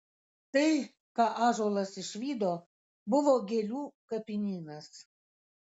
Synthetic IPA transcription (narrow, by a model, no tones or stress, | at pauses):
t̪əj | kɑʔɑʒolˠəsiʃvʲid̪o | buvoɡʲelʲukəpʲinʲinas